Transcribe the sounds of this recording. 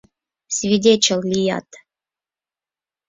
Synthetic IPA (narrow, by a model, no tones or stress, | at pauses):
svʲidʲet͡ɕɪlʲˠlʲija̰t̪